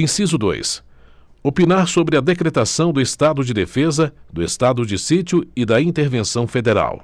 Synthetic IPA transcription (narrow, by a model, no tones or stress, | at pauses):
ĩsizʊd̪o̰js | opinaɾsobɾɪɐd̪ekɾet̪asɐ̃w̃d̪ʊest̪ad̪ʊd͡ʒɪd̪efezɐd̪ʊest̪ad̪ʊd͡ʒɪsit͡ʃʊɪd̪ɐĩt̪eɾvẽsɐ̃w̃fed̪eɾa̰w